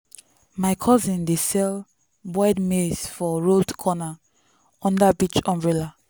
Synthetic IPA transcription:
maɪkʰɔzĩndesɛl | bɔɪdmesfɔɹodkʰɔna | ɔ̃ndabit͡ʃɔ̃mbɹela

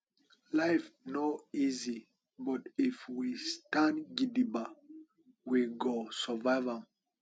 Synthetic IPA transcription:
laɪfnoizi | bɔtifwistãnɡidiba | wiɡosəvava

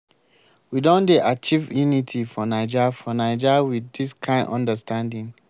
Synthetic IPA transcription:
widõndeʔat͡ʃivjunitʰifɔnad͡ʒafɔnaɪd͡ʒawiðdiskʰãɪ̃ndɔ̰̃ndəstʰãndĩŋ

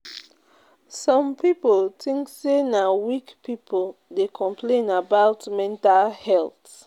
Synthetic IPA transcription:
sɔ̃mpipoltʰĩŋksenawikpʰipʰoldekʰɔ̃mpʰlẽnabaʊtmɛ̃ntalhɛlt

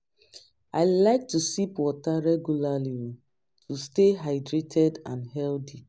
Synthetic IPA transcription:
aɪlaɪk̚tusipwɔtaɹɛɡjulaliɔ | tusteɦaɪdɹetʰɛdãnɦɛldi

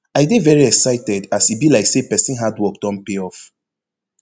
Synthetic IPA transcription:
aɪɡevɛɹiɛksaɪtɛdasibilaɪksepɛsĩnɦadwɔk̚d̥ɔ̃npeɔf

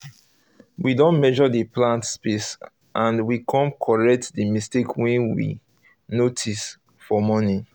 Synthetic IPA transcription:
widɔ̃nmɛʒɔdəplãntspes | ʔãnwikʰɔ̃mkʰɔɹɛk̚tdəmistekʰwɛ̃nwḭ | notʰis | fɔmɔni

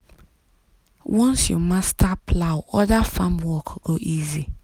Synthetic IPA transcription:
wɔ̃nsjṵmastʰapʰlawɔdafãmwɔkɡ̥oʔizi

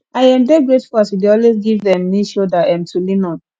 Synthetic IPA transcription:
aɪɛ̃mdɛɡɹetfɔaswideɔlwesɡivðɛ̃mːiʃodatãmtʰulinɔ̃n

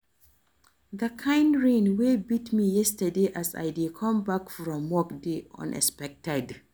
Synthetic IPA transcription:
ðəkʰãɪ̃nɹẽnwebitmijɛstədeʔasa̰jdidkʰʌ̃mbakfɹɔ̃mːɔkdeʌ̰̃nʔɛ̰spɛk̚tɛd

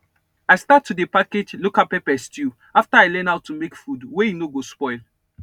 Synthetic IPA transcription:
aɪstatʰːudepaked͡ʒlokapɛpɛstju | aftaaɪlɛ̃naʊtʰːumekfudwejinoɡospɔɪl

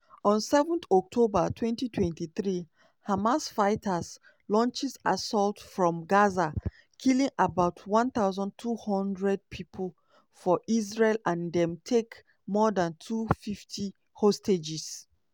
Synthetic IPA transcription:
ɔ̃nsɛvɔ̃nθɔk̚tʰobatʰwɛ̃ntitʰwɛ̃ntiθɹi | hamasfaɪtʰas | lɔ̃nt͡ʃisasɔltfɹɔ̃mɡaza | kʰilĩŋabaʊtʰwɔ̃nθaʊzɔ̃ntʰuhɔ̃ndɹɛd̚pʰipʰəl | fɔʔizɹelãndɛ̃mtʰek | mɔdãntʰufiftʰi | hosted͡ʒis

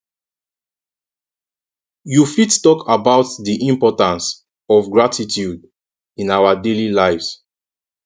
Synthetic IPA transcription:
jufittɔkʰabaʊtdiʔĩmpɔtãns | ɔvɡɹatʰitʰjud | ĩnawadelilaɪvz̥

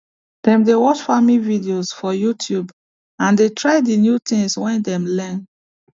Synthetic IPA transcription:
d̥ɛ̃mdewɔt͡ʃfamĩvidiosfɔjutʰjub | ãndetʰɹaɪdinjut̪ĩŋswɛ̃ndɛ̃mlɛn

